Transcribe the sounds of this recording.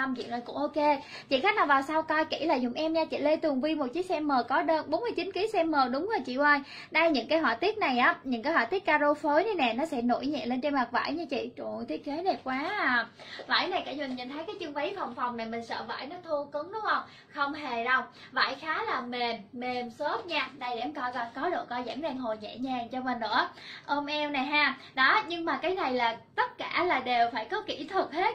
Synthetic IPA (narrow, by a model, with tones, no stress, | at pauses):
mt͡ɕḭ˧˨nəː˨˩jkʊ̰˧˥ŋ͡mʔo˧ke˧ | t͡ɕḭ˧˨xa˦˥k̚naː˨˩vaː˨˩wsa˧wkɔ˧jki˧˩laː˨˩zʊ˨˩ŋ͡mʔɛ˧mɲaː˧t͡ɕḭ˧˨le˧t̪ɨ˨˩əŋvi˧mo˨˩t̚t͡ɕi˨˦ək̚sɛ˧mːəː˨˩kɔ˨˦ɗəː˧nɓo˨˦nmɨ˧ət͡ɕi˨˦nki˨˦sɛ˧mːəː˨˩ɗʊ˨˦ŋ͡mzoː˨˩t͡ɕḭ˧˨wəː˧j | ɗa˧jɲɨ̰˧˥ŋkaː˨˦jɦwa̰˧˨t̪i˦˥ət̚na˨˩jʔaː˨˦ɲɨ̰˧˥ŋkaː˨˦jɦwaː˧˩t̪i˦˥t̚kːaː˧ɗo˧fo˨˦jnə˨˦jnɛ˨˩nɔ˨˦sɛ̰˧˥no̰˧˥˨jɲɛ̰˧˨nle˧nt͡ɕe˧nma˨˩k̚va̰ː˧˥˨jɲɨ˧t͡ɕḭ˧˨t͡ɕṵ˧˩t̪ʰi˦˥ət̚ke˨˦ɗe˨˩p̚kwaː˨˦˨ | va̰ː˧˩jna˨˩jkaː˧˩ɲwi˨˩ŋɲə̰˧˩nt̪ʰə˨˦jkaː˨˦jt͡ɕɨ˧əŋvə˨˦jfɔ˨˩wŋ͡mfa˨˩wŋ͡mna˨˩jmï˨˩ŋ̟sə̰ː˧˨va̰ː˧˨jnɔ˨˦t̪ʰu˧kɨ˨˦ŋɗʊ˨˦ŋ͡mʔə˧wŋ͡m | xə˧wŋ͡mɦe˨˩ɗə˧wŋ͡m | va̰ː˧˩˨jxaː˨˦laː˨˩me˨˩mːe˨˩mso˦˥t̚ɲaː˧na˧˩jɛ˧˩mkɔ˧˩kɔ˨˦ɗo̰˧˨kɔ˧za̰ː˧˥˩zɛ˧˩ŋɦo˨˩ɲɛ̰˧˨ɲaː˨˩ŋt͡ɕɔ˧meː˨˩ɨ̰˧˥əʔo˧mʔɛ˧wna˨˩jɦaː˧ | ɗɔ˨˦ɲɨ˧ŋmaː˨˩kaː˨˦jna˨˩jlaː˨˩t̪ə˦˥t̚kaː˧˩laː˨˩ɗe˨˩wfaː˧˩jkɔ˨˦kḭ˧˩t̪ʰɨ˨˩k̚he˦˥t̚